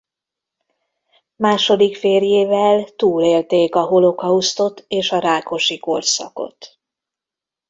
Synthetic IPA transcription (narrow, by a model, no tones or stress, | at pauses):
maːʃo̞d̪ikfeːrjeːvɛlt̪uːleːlt̪eːkɒɦo̞lokɒust̪o̞t̪eːʃɒɾaːko̞ʃiko̞rsɒ̰ko̞̰t̪